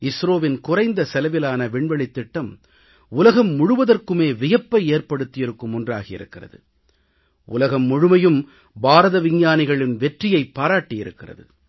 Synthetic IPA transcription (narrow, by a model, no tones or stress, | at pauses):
ɪsɾoːʋɪnkʊrɐɪnd̪ɐsɛlɐʋɪlaːnɐʋɪɳʋɛɭɪt̪ːɪʈːɐm | ʊlɐɣɐmːʊɻɯʋɐðɐrkɯmeːʋɪjɐpːɐɪeːrpɐɽɯt̪ːɪjɪɾɯkːɯmʊndra̰ːɣɐɪ̰ɾɯ̰kːɪrɐ̰ðɯ | ʔʊ̰lɐɣɐmːʊɻɯmɐjɯm | baːɾɐðɐʋɪɲjaːnɪɣɐɭɪnʋɛʈrɪjɐɪpːaːɾaːʈːɪjɪɾɯkːɪrɐ̰ðɯ̰